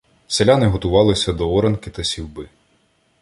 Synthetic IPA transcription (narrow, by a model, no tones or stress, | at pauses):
selʲanɪɦɔt̪ʊʋɑlˠɪsʲɐd̪ɔɔɾenkɪt̪ɐsʲiwbɪ